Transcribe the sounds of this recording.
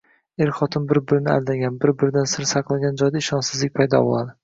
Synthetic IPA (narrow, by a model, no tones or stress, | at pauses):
eɾχɒt̪ʰɪmbɪɾbɪɾɪnɪa̰ld̪aɡʲanbɪɾbɪɾɪd̪ansɪɾsɑqlˠaɡʲand͡ʒɒjd̪aɪʃɒnsɪzlɪk̚ʲpʰajd̪ɒ̰bolˠad̪ɪ